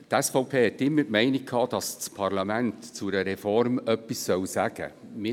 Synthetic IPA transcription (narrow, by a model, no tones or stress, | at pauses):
tɛsfɔʊpʰeːhɛtːɪmːətmɛɪnikkʰːɑːd̥ɑst͡spʰɑɾlɑmæntt͡sʊɾəɾɛfɔrmœpːissœwsæɡ̥ə̰mɪ